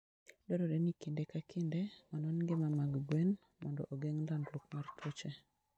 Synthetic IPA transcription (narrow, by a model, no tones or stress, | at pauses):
dɔɾɔdenikindekakʰɪndemanɔnŋɡemamaɡɡwen | mɔndɔʔoɡeŋdanɾok̚martʰot͡ʃe